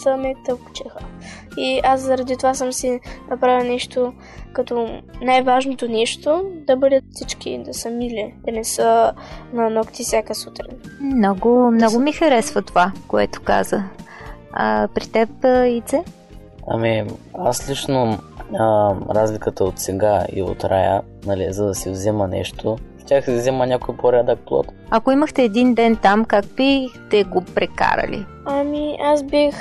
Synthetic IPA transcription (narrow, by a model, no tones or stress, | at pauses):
səmɛt̪əfkʊ̥t͡ʃɛxəiaszɐɾɐd̪it̪ovasəmsinɐpɾavilnɛʃt̪o | kɐt̪ɔnajvaʒnot̪onɛʃt̪od̪ɐbɤd̪ət̪fsit͡ʃkḭd̪ɐsəmilɛd̪̥ɐnɛsənɐnɔkt̪ifsʲjakəsut̪ɾinmnɔɡʊmnɔɡʊmixɐɾɛsvət̪ovakoɛ̰t̪ʊ̥ka̰zə | apɾit̪ɛpəit̪sɛ | ɐ̰miaslit͡ʃno | ɾazlʲikət̪əot̪sɛɡaḭo̰t̪ɾʔajə̰ | nɐlizɐd̪ɐsivzɛmənɛ̰ʃt̪ʰost̪ʲaxsvzɛmənʲakojpoɾʲad̪ək̚plˠɔ̰t̪ | ɐkoiməxt̪ɛːd̪ind̪ɛnt̪amkak̚t̪ixt̪ɛɡopɾɛka̰ɾə̰lḭ | ɐmiasbix